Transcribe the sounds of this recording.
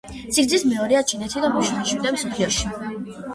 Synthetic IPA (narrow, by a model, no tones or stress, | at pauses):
sʰiɡ̪zismɛɔɾɛat͡ʃʰinɛt̪ʰid̪amɔʃiniʃimd̪ɛmsɔpʰliɔʃi